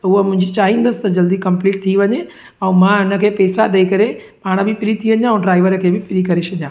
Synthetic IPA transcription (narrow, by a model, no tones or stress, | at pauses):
ʊɦəmʊ̃ɦɪ̃ɲd͡ʑit͡ɕaːɦĩːnd̪əsɪ̥t̪ɐd͡ʑɐld̪ikɐ̃mpliːʈ̚t̪ʰiʋɐɲe | ɛ̃ːmãɪnə̆kʰeːpɛːsaɗɐikɐɾe | paːɽ̃ə̆bɪfɪɾit̪ʰiʋɐ̃ɲãũɖɾaːɪʋəɾəkʰeːbɪfɪɾikɐɾeʃɐɲãː